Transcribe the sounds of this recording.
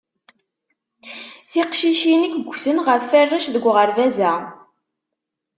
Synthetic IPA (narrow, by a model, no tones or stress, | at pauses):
θɪqʃiʃinəkəɡʷːθənʁəfːærːaʃðəɡʷʁəɾvæzæ